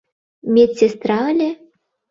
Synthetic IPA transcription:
mʲet͡sʲːest̪ɾalʲe

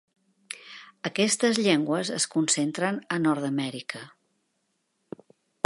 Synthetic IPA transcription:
əkɛst̪əzʎɛŋɡwəzəskunsent̪ɾənənɔɾðəmɛɾikə

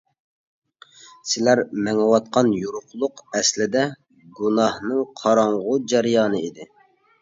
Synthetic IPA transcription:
sɪlæɾmɛŋɨwɑt̪̚qɑnjuɾʊχlˠʊqɛslɪd̪ɛ | ɡunɑhnɨŋqʰɑɾɑɴʁʊd͡ʒɛɾjɑːnɨid̪ɪ

